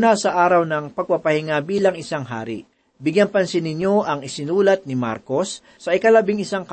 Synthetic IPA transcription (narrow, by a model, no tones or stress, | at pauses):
nasɐʔaːɾɐwnɐŋpɐɡ̚pɐpɐhɪŋabiːlɐŋɪsaŋɦa̰ːɾɪ̰ | bɪɡjɐnpɐnsɪnɪɲjo̞ʔɐŋɪsɪnuːlɐt̪̚nɪma̰ɾko̞sː | ɐʔɪkɐlɐbɪŋɪsaŋk